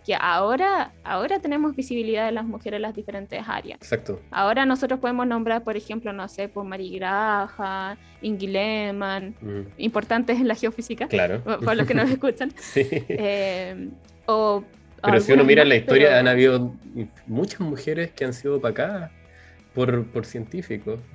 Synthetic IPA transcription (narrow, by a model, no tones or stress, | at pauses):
keʔaoɾaa̰oɾat̪e̞ne̞mo̞zβisiβ̞iliðaðelazmuxe̞ɾe̞zlazðife̞ɾe̞nt̪esa̰ɾja̰sesak̚t̪oa̰o̞ɾanos̬o̞t̪ɾopoemo̞sno̞mbɾaɾpo̞ɾexe̞mplonose̞pomaɾiɣɾaxa | iŋɡilemanimpoɾt̪ant̪esenlaxeofisikaklaɾopaɾlokenoseskut͡ʃansiem | o | aeɾoɣsiunomiɾalaistp̪oɾjaanaβiðo | mut͡ʃazmuxeɾeskeansiðopakaðas | poɾpoɾsje̞nt̪ifiko